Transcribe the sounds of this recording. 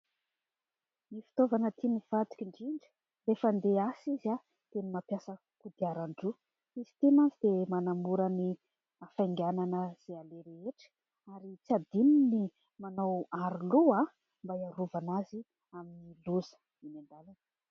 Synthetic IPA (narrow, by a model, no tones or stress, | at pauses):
nifi̥t̪ovanət̪ʰiniv̥at̪u̥kʲiɳɖ͡ʐiɳɖ͡ʐi̥ | refənd̪easiza | t̪enimapjasə | kud̪iaɾaɳɖ͡ʐu | izi̥t̪emanzid̪emanamuɾəni | afajŋɡʲananəz̥ealeɾeeʈ͡ʂə̥ | aɾit͡sad̪inini | manawaɾulua | mbajaɾuvanazi | aminiluzə̥ | inend̪alan